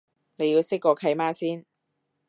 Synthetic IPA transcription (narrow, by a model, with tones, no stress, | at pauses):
ne˨˧ji˧wsɪ˥kːɔː˧kʰɐ˧˥jmaː˥siː˥n